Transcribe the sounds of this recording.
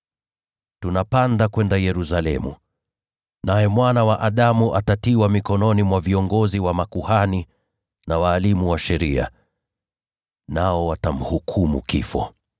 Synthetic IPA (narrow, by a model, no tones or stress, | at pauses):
tunapandakwɛndajɛɾusalɛ̰mṵ | najɛmwanawaʔaɗamuʔatatiwamikɔnɔnimwaviɔŋɡɔziwamakuhani | nawaːlimuwaʃɛɾia̰ | naɔwatam̩hukʰumṵkḭfɔ̰